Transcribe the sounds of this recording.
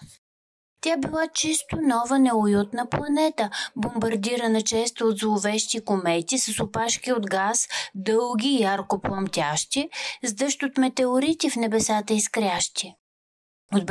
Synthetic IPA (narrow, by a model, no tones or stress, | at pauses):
t̪ʲabilˠat͡ʃist̪onɔvənɛojut̪nəplˠɐnɛt̪əbombɐɾd̪iɾənɐt͡ʃɛst̪od̪zlˠovɛʃt̪ikomɛt̪ʲisɐsʊpaʃkʲiod̪ɡasd̪ɤlˠɡʲiːjaɾkoplˠɐmt̪ʲaʃt̪ʲizd̪ɤʃt̪ot̪mɛt̪ɛoɾit̪ʲifnɛbɛsat̪əiskɾʲaʃt̪i | od̪̚b